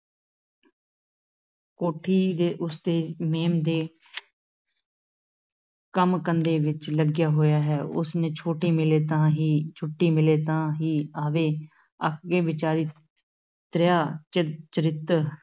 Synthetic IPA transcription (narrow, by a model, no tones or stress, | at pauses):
koːʈʰiːd̪eːʔʊsd̪eːmeːmd̪eː | kəmkənd̪eːʋɪt͡ʃləɡjaːɦoːjaːɦɛːʊ̰snẽːt͡ʃʰoːʈiːmɪleːt̪ãːɦiːt͡ʃʰʊʈːiːmɪleːt̪ãːɦiːaːʋeː | ə̰kʰɡeːʋɪt͡ʃaːɾiː | t̪ɾɪjaːt͡ʃt͡ʃəɾɪt̪